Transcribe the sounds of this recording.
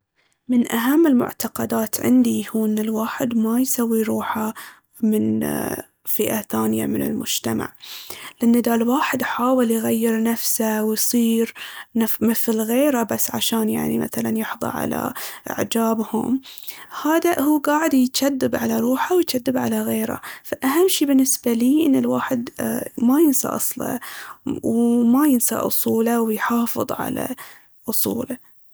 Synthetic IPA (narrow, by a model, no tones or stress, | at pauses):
mɪnʔaɦamːɪlmʊ̰ʕt̪aqɑd̪aːt̪ʕɪ̰nd̪ihuːnːɪlwaːħɪd̪majsawːiɾˤuːħa | mɪn | fɪʔaθaːnja̰mɪnɪ̰lmʊd͡ʒt̪ama̰ʕlɪnːad̪alwaːħɪd̪ħaːwɪljɣajːɪɾnafsawjsˤiːɾnafmɪθlɣeːɾabasːʕa̰ʃaːnja̰ʕnḭma̰θala̰njɪħðˤɑ̰ʕa̰la̰ʔɪ̰ʕd͡ʒaːbhʊ̰mhaːd̪ahuːɡaːʕɪd̪jt̪ʃad̪ːɪbʕalaɾˤuːħawjt̪ʃad̪ːɪbʕalaɣeːɾa̰faʔaɦamːʃiːbɪnːɪsbaliːʔɪnːɪlwaːħɪd̪majɪnsa̰ʔɑsˤlɑ̰ | wmajɪnsa̰ʔʊ̰sˤuːlawjħɑːfɨðˤʕa̰la̰ | ʔʊsˤṵːla